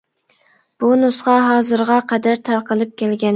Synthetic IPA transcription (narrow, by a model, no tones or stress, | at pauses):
b̥unusqɑɦɑːzɨɾʁɑqʰɛd̪æɾt̪ʰæɾqəlˠɨp̚kʲʰɛlɡʲɛn